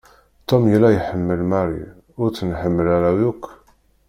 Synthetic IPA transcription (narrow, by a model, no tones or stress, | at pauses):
t̪ːomjəlːæjħəmːəlmæɾḭ | ʊɾt͡sːənħəmːəlæɾæwjukː